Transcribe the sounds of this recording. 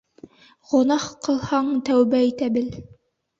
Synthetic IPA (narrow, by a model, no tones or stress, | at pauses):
ʁŏnɑχqɤ̆lˠhɑɴt̪æwbæit̪æbɘl